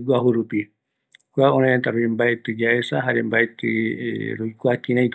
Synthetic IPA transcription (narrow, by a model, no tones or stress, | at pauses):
ɡuaɦuɾupi | kʷaõɾẽẽnt̪aɾoimbaet̪ɨd͡ʒaesaɦaɾembaet̪ɨ̰ɾojkʷakĩɾãt